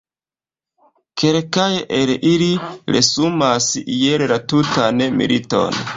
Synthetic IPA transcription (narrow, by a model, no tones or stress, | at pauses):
kʰelkajeʔelʔiliɾḛsumasijellatutanmḭlito̞̰n